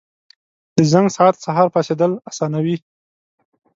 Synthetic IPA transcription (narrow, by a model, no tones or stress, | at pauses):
d̪̥əzaŋɡsɑat̪saɦɑɾpɑsed̪əlasɑnawi